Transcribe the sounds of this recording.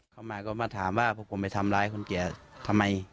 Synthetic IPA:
kʰa˧˩˨maː˧˩kɔː˧˩maː˧˩t̪ʰaː˩˦mwaː˧˩pʰɔ˧˩pʰo˨˩˦m˧˩jt̪ʰa˧mlaː˦˥jkʰo˧˥˨nki˨˩˦ɐt̪ʰa˧mːa˧j

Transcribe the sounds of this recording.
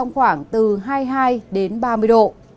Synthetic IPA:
a˧wŋ͡mxwaː˧˩ŋt̪ɨ˨˩ɦaː˧jɦaː˧jɗe˨˦nɓaː˧mɨ˧əjɗo̰˧˨ʔ

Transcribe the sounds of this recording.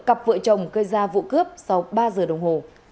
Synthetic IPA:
ka˨˩p̚və̰ː˧˨t͡ɕə˨˩wŋ͡mɣəː˧jzaː˧vṵ˧˨kɨ˦˥əp̚sa˧wɓaː˧zəː˨˩ɗə˨˩wŋ͡mho˨˩

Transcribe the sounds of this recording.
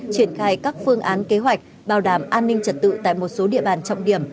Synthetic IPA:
t͡ɕi˧˩ənxaː˧jkaː˦˥k̚fɨ˧əŋʔaː˨˦nke˨˦ɦwa˨˩jk̟̚ | ɓaː˨˧˩wɗaː˧˩mʔaː˧nːï˧ŋ̟t͡ɕə˨˩t̚t̪ɨ̰˧˨t̪a̰ː˧˨jmo˨˩t̚so˨˦ɗḭ˧˨əɓaː˧˩nt͡ɕɔ̰˧wŋ͡mɗi˧˩əm

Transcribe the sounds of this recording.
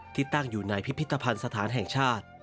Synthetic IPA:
t̪ʰiː˥˩t̪a˥˩ŋjuː˨˩na˧jpʰi˦˥pʰːi˦˥t̪ːa˧pʰa˧nsa˧t̪ʰaː˩˦nɦɛ˨˩ŋt͡ɕʰaː˥˩t̪̚

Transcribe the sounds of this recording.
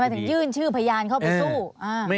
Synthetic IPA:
maː˧t̪ʰɯ˩˦ŋjɯː˥˩nt͡ɕʰɯː˥˩pʰa˧a˧jaː˧nkʰa˥˩pa˧jsuː˥˩ʔaː˧

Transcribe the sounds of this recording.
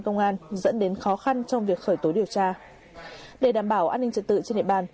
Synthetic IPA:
nkə˧wŋ͡mʔaː˧nzə̰˧˥nɗe˨˦nxɔ˨˦xa˧nt͡ɕɔ˧wŋ͡mvi˨˩ək̚xəː˧˩jt̪o˨˦ɗi˨˩əwt͡ɕaː˧ | ɗe˧˩ɗaː˧˩mɓaː˧˩wʔaː˧nːï˧ŋ̟t͡ɕə˨˧˩t̚t̪ɨ̰˧˨t͡ɕe˧nɗḭ˧˨˩ɓaː˨˩n

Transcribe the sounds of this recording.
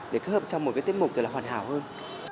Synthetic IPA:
ɗe˧˩kaː˨˦˥həː˨˩p̚t͡ɕɔ˧wmo˨˩t̚kaː˨˦jt̪i˦˥ə˥pmu˨˩k͡p̚zə˨˩laː˨˩waː˧˩nɦaː˧˩whəː˧n

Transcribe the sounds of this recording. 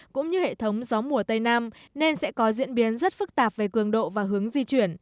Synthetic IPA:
kʊ̰˧˥ŋ͡mɲɨ˧hḛ˧˨t̪ʰə˨˦wŋ͡mzɔ˨˦mu˧˩ət̪ə˧jnaː˧mne˧nsɛ̰˧˥kɔ˨˦zḭ˧˥ənɓi˨˦ənzə˦˥t̚fɨ˦˥k̚t̪aː˨˩p̚ve˨˩kɨ˨˩əŋɗo̰˧˨vaː˨˩ɦɨ˨˦əŋzi˧t͡ɕwi˧˩ən

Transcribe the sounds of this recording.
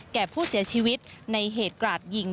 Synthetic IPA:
kɛː˨˩pʰuː˥˩si˨˩˦ɐt͡ɕʰiː˧wi˦˥t̪̚na˧jɦeː˨˩t̪̚klaː˨˩t̪̚ji˨˩ŋ

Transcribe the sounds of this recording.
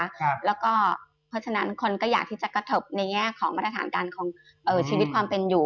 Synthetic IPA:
a˦˥lɛː˦˥wkɔː˥˩ | pʰɔ˦˥t͡ɕʰa˧na˦˥nkʰo˧nkɔː˥˩jaː˨˩k̚t̪ʰiː˥˩t͡ɕa˨˩kɾa˧t̪ʰo˦˥p̚na˧jŋɛː˥˩kʰɔː˩˦ŋma˦˥t̪ɾa˧t̪ʰaː˩˦nkaː˧nkʰɔː˩˦ŋ | ʔɤː˨˩t͡ɕʰiː˧wi˦t̪̚kʰwaː˧mpe˧njuː˨˩

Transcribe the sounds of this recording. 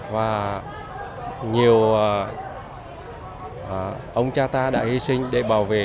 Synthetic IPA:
vaː˨˩ | ɲi˨˩əw | ʔə˧wŋ͡mt͡ɕaː˧t̪aː˧ɗa̰ː˧˥hi˧sï˧ŋ̟ɗe˧˩ɓaː˨˧˩wvḛ˧˨

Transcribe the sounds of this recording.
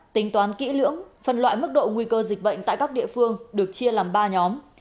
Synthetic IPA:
t̪ï˨˦ŋt̪waː˨˦nkḭ˧˥lɨ̰˧˥əŋfə˨˩nlwa̰ː˧˨jmɨ˦˥k̚ɗo̰˧˨ŋwi˧kəː˧zi˨˩k̚ɓə̰˧˨jŋ̟t̪a̰ː˧˨jka˦˥k̚ɗḭ˧˨əfɨ˧əŋɗɨ˨˩ək̚t͡ɕi˧əlaː˨˩mɓaː˧ɲɔ˨˦m

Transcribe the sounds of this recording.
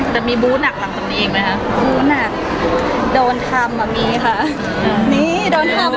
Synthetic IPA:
t͡ɕɛ˨˩miː˧buː˧˦˥na˨˩k̚pʰa˨˩k̚tʰa˧ŋniː˦˧˨ma˦jkʰa˦˥buː˧˥na˨˩k̚ | doː˧nt̪ʰa˧mːaː˧miː˧kʰa˧˩ʔ | ʔniː˧˥doː˧nt̪ʰa˧m

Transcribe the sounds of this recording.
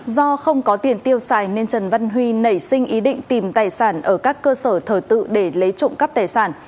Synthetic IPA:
zɔ˧xə˧wŋ͡mkɔ˨˦t̪i˧˩ənt̪i˧əwsaː˧˩jne˧nt͡ɕə˨˩nva˧nɦwi˧nə˧˩jsï˧ŋ̟ʔi˨˦ɗḭ̈˧˨ŋ̟t̪i˨˩mt̪aː˨˩jsaː˧˩nʔəː˧˩kaː˦˥kːəː˧səː˧˩t̪ʰəː˧˩t̪ɨ̰˧˨ɗe˧˩lə˨˦jt͡ɕʊ̰˧˨ŋ͡mkə˦˥p̚t̪aː˨˩jsaː˧˩n

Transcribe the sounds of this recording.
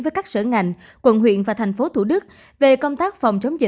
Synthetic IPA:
vəː˨˦jkaː˦˥k̚sə̰˧˩ŋa˨˩jŋ̟ | kwə̰˧˩nwḭ˧˨ənvaː˨˩t̪ʰa˨˩jŋ̟fo˨˦t̪ʰu˧˩ɗɨ˦˥k̚ | ve˨˩kə˧wŋ͡mt̪aː˦˥k̚fɑ˨˩wŋ͡mt͡ɕə˨˦wŋ͡mzi˨˩

